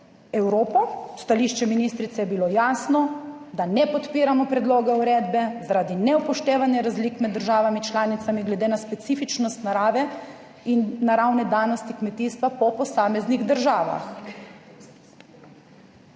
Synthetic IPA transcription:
ɛwɾoːpɔst̪aliːʃt͡ʃɛminiːst̪ɾit̪sɛjɛbilojaːsnɔ | d̪anɛpɔt̪piːɾamɔpɾɛd̪loːɡɛuɾeːd̪bɛzaɾaːd̪inɛwpɔʃt̪eːʋanjɛɾazliːkmɛd̪ːəɾʒaːʋamit͡ʃlaːnit̪samiɡlɛd̪eːnaspɛt̪siːfit͡ʃnɔst̪naɾaːʋɛ | inːaɾawnɛd̪aːnɔst̪ikmɛt̪iːst̪ʋapɔpɔsaːmɛzniɣd̪əɾʒaːʋa̰x

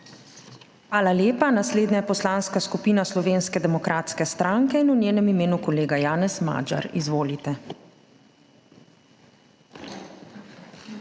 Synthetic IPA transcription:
xʋaːlaljeːpanasleːd̪najɛpɔslanskaskupiːnaslɔʋeːnskɛd̪ɛmɔkɾʔaːt̪skɛst̪ɾaŋkɛinunʲjeːnɛmimeːnukɔleːɡajaːnɛsma̰ːd͡ʒa̰ɾizʋoːlit̪ɛ

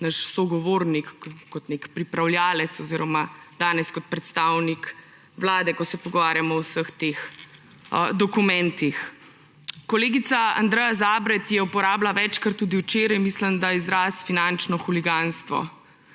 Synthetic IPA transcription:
nəʃsɔɡɔʋoɾnikːɔt̪nekpɾipɾawljaːlɛt̪sɔziːɾɔmad̪̥aːnɛskɔt̪̚pɾɛt̪st̪awnik | ʋlaːd̪ɛkɔsɛpɔɡɔʋaːɾjamɔwsəxt̪ex | d̪ɔkumɛnt̪ix | kɔleːɡit̪saa̰nd̪ɾɛjazaːbɾɛt̪jɛupɔɾaːblaʋɛt͡ʃkəɾt̪uːd̪iwt͡ʃeːɾajmisləmd̪aizɾaːsfinant͡ʃnɔxuliɡanst̪ʋɔ̰

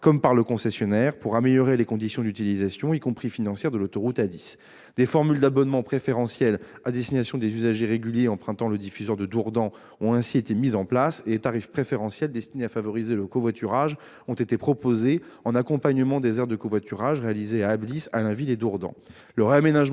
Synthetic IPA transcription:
kɔmpaʁləkɔ̃sɛsjɔnɛʁpuʁameljɔʁelekɔ̃d̪isjɔ̃d̪yt̪ilizasjɔ̃ikɔ̃pχifinɑ̃sjɛʁd̪əlot̪ɔʁut̪ad̪is | d̪̥efɔʁmyld̪abɔnmɑ̃pχefeʁɑ̃sjɛl | ad̪ɛst̪inasjɔ̃d̪ezyzaʒeʁeɡʲyljeɑ̃pχɛ̃t̪ɑ̃ləd̪ifyzwœʁd̪əd̪uʁd̪ɑ̃ | ɔ̃ɛ̃siet̪emizɑ̃plasedet̪aʁifpχefeʁɑ̃sjɛld̪ɛst̪ineafavɔʁizeləkovwat̪ʰyʁaʒ | ɔ̃t̪et̪epχɔpozeɑ̃nakɔ̃paɲəmɑ̃d̪ezɛʁdd̪əkovwat̪ʰyʁaʒʁealizeaːblisalɛ̃viled̪uʁd̪ɑ̰̃ | ləʁeamenaʒ

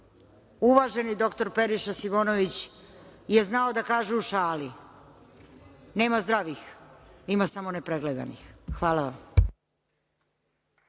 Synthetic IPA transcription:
uʋaʒe̞nid̪o̞kt̪o̞ɾpe̞ɾiʃasimo̞ːno̞ʋit͡ɕ | je̞znao̞d̪akaːʒeuʃaːli | ne̞ːmazd̪ɾaʋiximasamo̞nepɾeɡled̪a̰nḭxxʋaːlaʋam

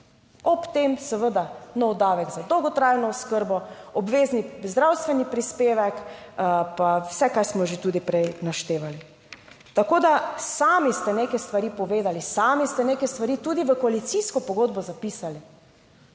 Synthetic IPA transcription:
ɔpt̪emsəʋəd̪anɔwd̪aːʋɛɡzad̪ɔwɡɔt̪ɾajnɔuskəɾbɔɔbʋeːznizd̪ɾawst̪ʋɛnipɾispeːʋɛk | pawsɛkaɾsmɔʒet̪uːd̪ipɾɛjnaʃt̪eːʋali | t̪akoːd̪asaːmist̪ɛneːkɛst̪ʋaɾipɔʋeːd̪alisaːmist̪ɛnekɛst̪ʋaɾit̪uːd̪iʋəkɔalit̪siskɔpɔɡod̪bɔzapiːsali

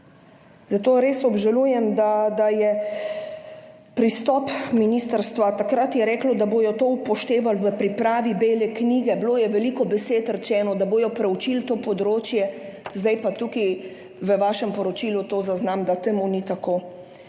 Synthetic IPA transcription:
zat̪oːɾeːsɔbʒalujɛmd̪ad̪ajɛ | pɾist̪ɔːpminiːst̪aɾst̪ʋat̪akɾat̪jɛɾɛːklɔd̪aboːjɔt̪oːupɔʃt̪eːʋalʋəpɾipɾaːʋibeːlɛkniːɡɛbloːjɛʋɛlikɔbɛseːt̪ɾɛt͡ʃɛːnɔd̪aboːjɔpɾɛut͡ʃilt̪oːpɔd̪ɾoːt͡ʃjɛzd̪ajpat̪uki | ʋəʋaːʃɛmpɔɾɔt͡ʃiːlut̪oːzaznamd̪at̪emunit̪akoː

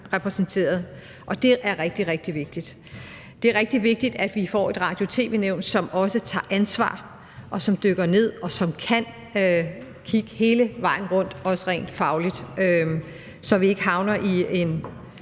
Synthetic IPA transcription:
ʁɛpʰʁɛsnt͡sʰe̝̰ːɐðˠ | ʔɒ̽d̥e̝ʔæɐʁɛɡ̥̚d̥iʁeɡ̥̚d̥iʋe̝ɡ̥̚d̥id̥ | d̥e̝æɐʁeɡ̥̚d̥iʋe̝ɡ̥̚d̥id̥æd̥ʋifɒ̰e̝d̥ʁɑ̈ːd̥jo̝t͡sʰe̝̰ːʋe̝ːneʊ̰nsɒ̽mɒ̽sət͡sʰɑ̰̈ːʔænsʋɑ̰̈ː | ʔɒ̽sɒ̽md̥øɡ̥ɐne̝ð̞̰ˠɒ̽sɒ̽mkʰæn | kʰiɡ̥əhe̝ːləʋɑ̈ɪ̰n̩ʁɔ̽n̰d̥ɒ̽sʁɛ̰ːnd̥fɑ̈ʊlid̥ø | sɒ̽ʋie̝ɡ̥əɦɑ̈ʊnɐʔie̝n

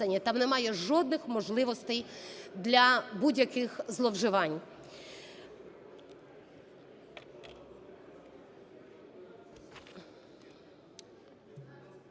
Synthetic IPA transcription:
ɐnʲːɐt̪ɑmnɛmɑjɛʒɔd̪nɪxmɔʒlˠɪʋɔst̪ɛjd̪lʲɐbudʲjɐkɪxzlˠɔwʒɪʋɑnʲ

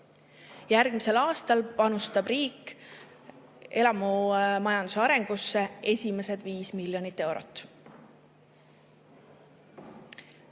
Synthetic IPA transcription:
jærɡ̥mise̞lɑːst̪ɑlpɑnust̪ɑb̥riːkː | e̞lɑmumɑjɑnd̪̥useɑɾe̞ŋɡ̥usːe̞e̞sʲime̞se̞d̪̥viːsmilʲjo̞nit̪ːe̞wɾo̞̰t̪ːˑ

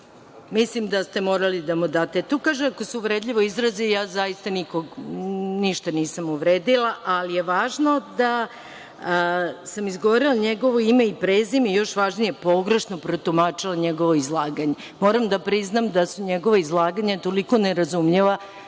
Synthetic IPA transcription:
mislimd̪ast̪emo̞ːɾalid̪amud̪aːt̪et̪okaːʒeako̞seuʋɾed̪ʎʲiʋo̞izɾazijaːzajist̪anikoɡniʃt̪aniːsamuʋɾeːd̪ilˠaʔalijeʋaːʒno̞d̪a | samizɡoʋoɾilˠaɲeɡo̞ʋoimeipɾeːzimijo̞ʃʋaːʒnijepo̞ɡɾeʃnopɾot̪umat͡ʃilˠaɲeɡo̞ʋoizlˠaːɡaɲe | mo̞ːɾamd̪apɾiznamd̪asuɲeɡo̞ʋaizlˠaːɡaɲat̪o̞liko̞neɾazumʎeʋa

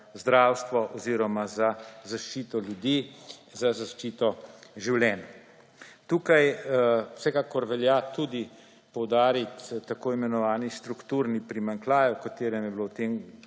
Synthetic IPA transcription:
zd̪ɾaːwst̪ʋɔʔɔziɾɔmazazaʃt͡ʃiːt̪ɔljud̪izazaʃt͡ʃiːt̪ɔʒiwljɛːn | t̪uːkajw̥sɛkaːkɔɾʋɛljat̪ud̪i | pɔwd̪aːɾit̪ːakoːimɛnɔʋaːnist̪ɾukt̪uɾnipɾimaŋklaːjwkat̪eːɾɛmjɛbilowt̪em

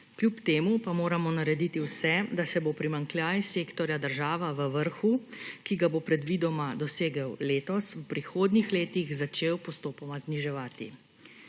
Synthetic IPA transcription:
klʲjupt̪eːmupamoːɾamɔnaɾɛd̪iːt̪iwsɛd̪asɛbopɾimaŋkljaːjseːkt̪ɔɾjad̪əɾʒaːʋaʋəʋəɾxukiɡabopɾɛd̪ʋiːd̪ɔmad̪ɔseːɡəwleːt̪ɔswpɾixoːd̪nixleːt̪iɣzat͡ʃeːwpɔst̪oːpɔmazniʒɛʋaːt̪ḭ

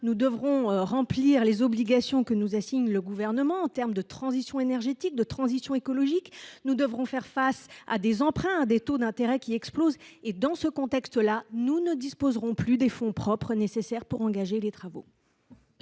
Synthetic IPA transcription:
nud̪əvʁɔ̃ʁɑ̃pliʁlezɔbliɡasjɔ̃kənuzasiɲləɡuvɛʁnəmɑ̃ːt̪ɛʁmd̪ət̪χɑ̃zisjɔ̃enɛʁʒet̪ik̚d̪ət̪χɑ̃zisjɔ̃ekɔlɔʒiknud̪əvʁɔ̃fɛʁfasa̰d̪ezɑ̃pχɛ̃ad̪et̪od̪ɛ̃t̪eʁɛkʲiɛksplozed̪ɑ̃səkɔ̃t̪ɛkst̪əlanunəd̪ispozʁɔ̃plyd̪efɔ̃pχɔpχənesesɛʁpuʁɑ̃ɡaʒelet̪χavo̰

